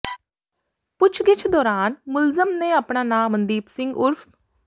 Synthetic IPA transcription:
pʊt͡ʃʰɡɪt͡ʃʰd̪ɔːɾaːnmʊlzəmnẽːaːpɳaːnãːmənd̪iːpsɪŋɡʊɾpʰ

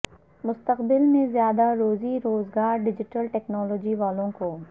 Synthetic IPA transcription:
mʊst̪əqbɪlmẽzjaːd̪aɾoːziɾoːzɡaːɾɖɪd͡ʒɪʈəlʈɛːknɔːloːd͡ʒiʋaːlõko

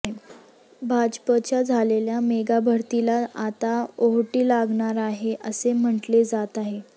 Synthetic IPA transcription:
bʱad͡ʑpət͡ɕjad͡zʱaleljameɡabʱəɾt̪ilaat̪aoɦʈiːlaɡɳaɾaɦeʔəsem̤əʈled͡zat̪aɦe

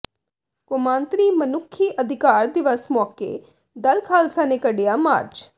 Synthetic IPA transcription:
kʊmãːnt̪ɾiːmənʊkʰːiːʔəd̪ʱɪkaːɾd̪ɪʋəsmɔːkḛː | d̪əlkʰaːlsãːneːkəɖejaːma̰ːɾd͡ʒ

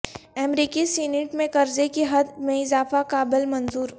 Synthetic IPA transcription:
ɛːmɾiːkisineʈmẽkɐɾzekeɦɐd̪mẽɪzaːfakaːbɪlmɐnzuːɾ

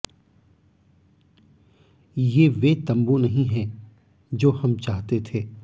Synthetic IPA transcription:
jeːʋeːt̪ɐ̃mbunɐɦĩɦɛ̃ː | d͡ʒoːhɐmt͡ʃaːɦt̪et̪ʰeː

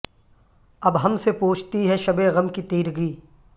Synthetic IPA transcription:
ɐbɦɐmsepuːt͡ʃʰt̪iɦɛʃɐbeɣɐmkit̪iːɾɡiː

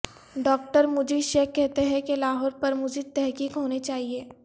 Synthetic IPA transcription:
ɖɔːk̚ʈəɾmʊd͡ʒʱiʃeːkːɛɦt̪eɦɛ̃kelaːɦɔːɾpɐɾmʊd͡ʒʱet̪ɛɦkiːkɦoːnet͡ʃaːɦieː

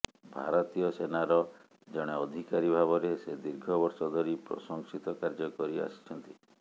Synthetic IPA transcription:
bʱa̰ɾɔt̪ijɔsenaɾɔ | d͡ʒɔɽ̃eɔd̪ʱikaɾibʱaβɔɾesed̪iɾɡʱɔbɔɾsɔd̪ʱɔɾipɾɔ̰sɔŋsit̪ɔkaɾd͡ʒɔkɔɾia̰st͡ʃʰɔnt̪i

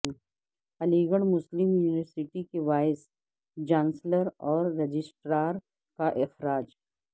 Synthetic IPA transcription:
ɐliːɡəɽ̃mʊslɪmjuːɪʋəɾsɪʈikebaːɪs | d͡ʒãːnsləɾɔːɾːɐd͡ʒɪsʈɾaːɾ | kaʔɪxɾaːd͡ʒ

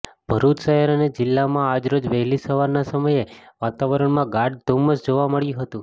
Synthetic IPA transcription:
b̥ʱəɾut̪sajəɾəned͡ʒɪlːamãad͡ʒɾod͡ʒʋəɦɛlisəʋaɾnasəməjeʋat̪aʋəɾəɳmãɡaɖd̪ʱoməsd͡ʒoʋaməɭjũɦət̪ũ

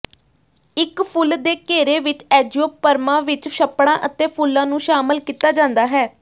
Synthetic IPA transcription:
ɪkpʰʊld̪eːkeːɾeːʋɪt͡ʃɛːd͡ʒoːpəɾmãːʋɪt͡ʃʃəpɽãːʔət̪eːpʰʊlːãːnũːʃaːməlkiːt̪aːd͡ʒãːnd̪aːɦɛː

